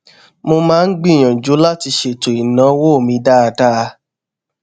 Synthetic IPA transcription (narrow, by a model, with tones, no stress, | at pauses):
mo˧mãː˦˧n̩˦ɡ͡bĩ˦˨j̃ã˨d͡ʒu˨˦la˦ti˧ʃe˦˨to˨i˨nã˨˦wo˦˨mĩ˧˦da˦a˧da˦˧